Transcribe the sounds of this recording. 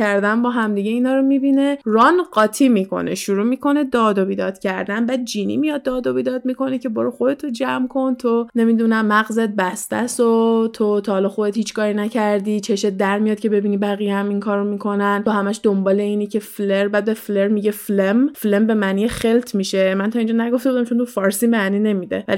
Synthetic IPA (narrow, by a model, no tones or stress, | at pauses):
æɾd̪ænbɒːɦæmd̪iɟeiːnɒːɾomibine̞rɒnɢɒːt̪ʰiːmikʰo̰nḛʃuɾuːmiːkʰo̞ne̞d̪ɒːd̪obid̪ɒːd̪̥cʰæɾd̪ænbæːd̪̚d͡ʒiːnḭmijɒd̪̚ːɒːd̪obid̪ɒːd̪̚miko̞necʰe̞bɔɾoxod̪e̞t̪ʰod͡ʒæmkʰo̞nt̪ʰone̞mid̪unæmːæɣze̞t̪̚bæst̪æ̰sot̪ʰot̪ʰɒhːlɒxo̞d̪et̪hiːt͡ʃʰkʰɒːɾinæcʰæɾd̪it͡ʃʰe̞ʃet̪̚d̪æɾmijɒd̪̥̚cʰʲe̞be̞biːnibæɣijeæmiŋkʰɒːɾomiːkʰo̞nænohæmæʃd̪ombɒːle̞iːnicʰe̞fleɾbæːd̪̚befleɾmiɟe̞flemflembe̞mænijeχe̞lt̪ʰmiːʃemænt̪ʰɒːind͡ʒɒnæɡo̞ft̪ebud̪æmt͡ʃʰont̪ʰufɒːɾsiːmæniːne̞miːd̪ḛvæ̰li